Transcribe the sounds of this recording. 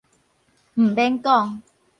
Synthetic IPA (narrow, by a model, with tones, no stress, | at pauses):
m̩˨˩bɛ˦˥nkɔ˥˧ŋ